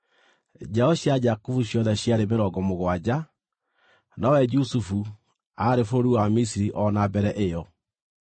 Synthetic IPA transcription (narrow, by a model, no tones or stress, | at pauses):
d͡ʒɛɔɕjad͡ʒakufuɕjɔðɛɕjaɾemeɾɔɡɔmoɣwad͡ʑa | nawɛd͡ʒusufu | aɾefoɾoɾuwamisiɾiʔɔnabɛɾɛʔejɔ